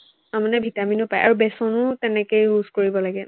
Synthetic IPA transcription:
amanɛbʱitaminʊpajʔa̰ɹubɛsɔnʊtɛnɛkejɹuzkoɹibɔlaɡɛ

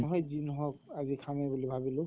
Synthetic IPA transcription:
ɔɦɔjzinɔɦɔkazikʰamɛbulibʱabilʊ̃

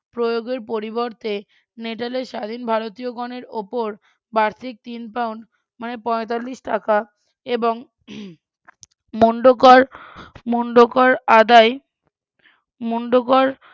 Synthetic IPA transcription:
pɾojoɡeɾpoɾiboɾt̪e | neʈaleʃad̪ʱinbʱaɾot̪ioɡɔneɾopoɾ | baɾt̪ʰik̚t̪inpawɳɖ | manepɔet̪alːiʃʈaka | eboŋ | moɳɖokɔɾmoɳɖokɔɾad̪ae | moɳɖokɔɾ

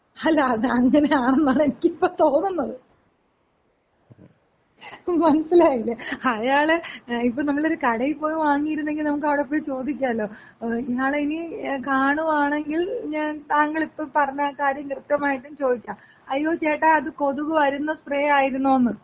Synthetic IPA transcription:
ɐlːaːðɨɐŋːɐne̞aːɳenːaːɳenikʲːiipːoːt̪o̞ːnːunːɐðɨ | mɐnɐsilaːjilːɐɐjaːɭeipːoːnɐmːɐɭo̞ɾukɐɽɐjipːo̞ːjuʋaːŋːijiɾunːe̞ŋɡilnɐmuk̬ːɐʋiɽep̬ːoːjt͡ɕo̞ːd̪ikʲːaɐlːo̞ː | iŋːaːɭinikaːɳuʋaːɳeŋɡilɲaːnt̪aːŋɡɐɭipːɐpɐrɐɲːaːkːaːɾjɐŋkrɨpt̪ːɐmaːjiʈːumt͡ɕo̞ːd̪ikʲːaːm | ɐjːo̞ːt͡ɕe̞ːʈːaɐðɨko̞ðuɣɨʋɐɾunːɐspreːaːjiɾunːuonːɨ

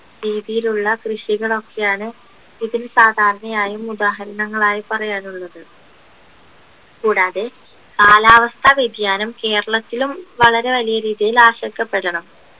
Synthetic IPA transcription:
ɾiːðijiluɭːɐkrɨʂiɣɐɭo̞kːe̞jaːɳɨ | iðinsaːd̪ʱaːɾɐɳɐjaːjumud̪aːɦɐɾɐnɐŋːɐɭaːjipɐrɐjaːnuɭːɐðɨ | kuːɽaːðe | kaːlaːʋɐst̪ʰaʋid̪jaːnɐmke̞ːɾɐɭɐt̪ːilumʋɐɭɐɾe̞ʋɐlijɐɾiːðijilaːɕɐkːɐpːeɾɐɳɐm

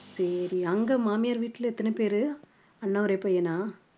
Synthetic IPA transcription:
sɐɾiɐŋɡɐmaːmɪjaːɾʋiːʈːɪlɛt̪ːɐnɯpeːɾɯ | ɐnːaɔɾɐɛpːɐjɛnaː

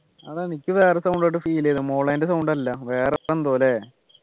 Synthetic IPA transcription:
ɐðenikʲːɨʋe̞ːresɐwɳɖoʈːɨfiːilːeiðɨmoːɭɐːndesɐwɳɖɐlːɐʋeːreenːpo̞ːle̞

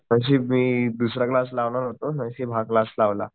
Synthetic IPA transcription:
mə̃ɕ̬iːmiːd̪usɾaklas̬laʋɳaɾɦot̪omə̃jɕibʱaklaslaʋla̰

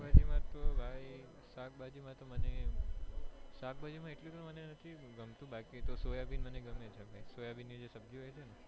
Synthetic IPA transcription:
bad͡ʒimãt̪obʱaj | sak̚bad͡ʒimãt̪oməne | sak̚bad͡ʒimãeʈlit̪omənenət̪ʰiɡəmt̪ũbakit̪osojabinməneɡəmet͡ʃʰabʱajsojabinĩd͡ʒesəbd͡ʒʱĩɦet͡ʃʰene

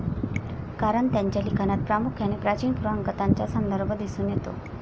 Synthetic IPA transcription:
kaɾəɳt̪jaɲt͡ɕjaliːɡʱənat̪̚pɾamukʰjanepɾat͡ɕiːnpuɾoəŋkət̪aɲt͡ɕasənd̪əɾbʱəd̪isuːnjet̪o̰

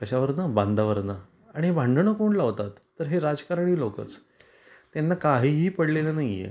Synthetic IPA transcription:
əɕaʋəɾnəband̪aʋəɾna | aɽ̃iɦebʱãɳɖɳəkoːɳlaʋt̪at̪ːəɾɦeɾad͡zkaɾaɳ̃iːlokə̰t͡s | t̪janːakaɦiːɦiːpəɽlelanajḛ

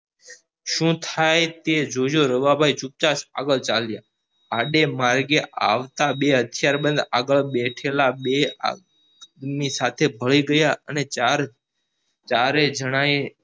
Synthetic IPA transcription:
ʃũt̪ʰajt̪ed͡ʒooɾəʋabʱait͡ʃup̚t͡ʃasa̰ɡəɭt͡ʃalja | aɖemaɾɡeʔa̰ʋt̪aɓeɦət̪ʰjaɾbə̃nd̪aɡəɭɓɛʈʰelaɓea̰ | d̪misat̪ʰebʱəɭiɡəjaə̰neaɾ | t͡ʃaɾed͡ʒəɽ̃ae

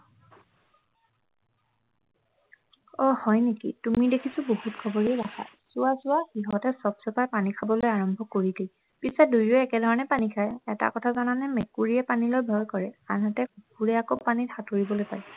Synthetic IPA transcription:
ɔhɔjnekḭtumidekʰisʊbohutkʰɔbɔɹidakʰa̰ | sʊwasʊaxiɦɔtɛsɔbsɔpaɹpanikʰabɔlojaɹɔmbʱɔkoɹide | pisɛdujoɛkɛdʱɔɹɔnɛpanikʰajɛta̰kɔtʰazananɛmekuɹiɛpanilojbʱɔjkɔɹɛa̰nɦatɛup̚uɹɛakopanithatoɹibɔlojpaɹɛ

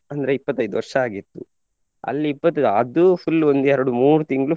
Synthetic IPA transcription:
ɐnd̪ɐɾe̞ipːɐt̪ːɐjd̪uʋɐɾʂɐaːɡit̪ːu | ɐ̰lːiːpːɐt̪ːuɐd̪upʰulːond̪uɛɾɐɽumuːɾut̪iŋɡɐɭu

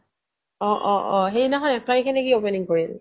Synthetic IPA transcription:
ɔʔɔʔɔ̃ɦejnaɦɔnɛpʰlajkʰɛnɛkiopeniŋkoɹil

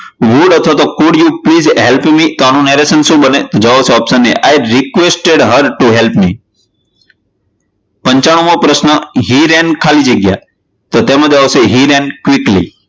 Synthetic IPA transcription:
ʋuɖət̪ʰʋat̪okuɖjupliːzɦelpmit̪oañũneɾesənsũbənet̪od͡ʒaʋoseɔpsənːiʔajɾikʋesʈeɖɦəɾʈuɦelpmi | pə̃ɲt͡ʃaɽ̃ũmopɾəsnəɦiɾɛ̃nkʰalid͡ʒeɡja̰ | t̪ot̪emãd͡ʒaʋoseɦiɾɛ̃nkʋɪklḭ

